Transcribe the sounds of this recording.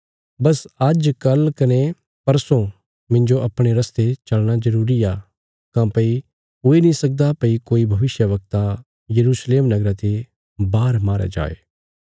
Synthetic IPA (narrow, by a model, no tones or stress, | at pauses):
bɐsɐd͡ʒkɐlkɐne | pɐɾsõ | mɪ̃ɲd͡ʒoʔɐpɽ̃eɾɐst̪et͡ʃɐlɽ̃azɐɾuːɾija | kãpɐi | oːenĩsɐk̚d̪apɐikoːibʱɐʋɪʃjəʋɐk̚t̪a | jɐɾuːsleːmnɐɡɾat̪e | baːɾmaːɾa̰d͡ʒa̰ːḛː